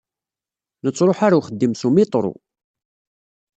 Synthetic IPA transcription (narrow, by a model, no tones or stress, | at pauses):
nət͡sːɾˤoħaɾawχəd̪ːimsumit̪ˤɾˤo̰